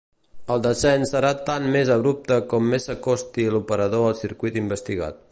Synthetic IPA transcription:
əlˠd̪əsɛnsəɾat̪anmezəβɾup̚t̪əkɔmːesəkɔst̪ilupəɾəðoəlˠsiɾkwit̪imbəst̪iɣa̰t̪̚

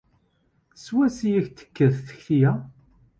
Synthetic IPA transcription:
swæsijæçt̪ːə̥kːəðθə̥çθijæ

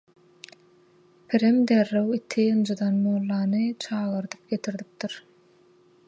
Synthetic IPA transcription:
pʰiɾemd̪ærːewit̪ʰiɯnd͡ʒɯd̪ɑnmolˠːɑːnɯt͡ʃʰɑːɣɯɾd̪ɯ̥p̚ɡʲe̞t̪ʰiɾd̪ip̚d̪iɾ

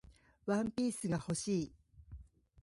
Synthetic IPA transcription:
βãmpʲiːsɨɡaho̞ɕiː

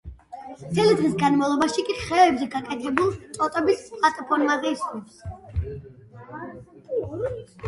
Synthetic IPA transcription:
d̪zɛlid̪ʁisɡanmavlˠɔbaʃikʼiχɛɛbzɛɡakʼɛt̪ʰɛbulˠt̪sʼɔt̪ʼɔbispʼlat̪ʼɔpʰɔɾmazɛist̪ʼums

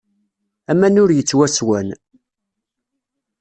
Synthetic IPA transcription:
æmænʊɾjət͡sːwæswæn

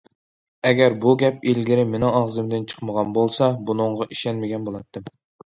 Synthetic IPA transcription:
ɛɡʲɛɾbuɡʲɛpilɡʲiɾɪmenɪŋɑʁzɨmd̪ɪnt͡ʃʰə̥qməʁɑnbolˠsɑbunɨɴʁɑʔiʃɛnmɪɡʲɛnbolˠɑt̪ʰːɨm

